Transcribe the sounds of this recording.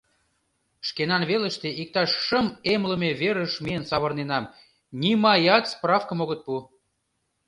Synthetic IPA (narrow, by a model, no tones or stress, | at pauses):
ʃkenɑnβeləʃt̪eʔik̚t̪ɑʃːə̆memlə̆meβeɾəʃmʲejənsɑβɤ̆rnenɑm | nʲimɑjɑt̪sprɑfkə̆moɣət̪̚pu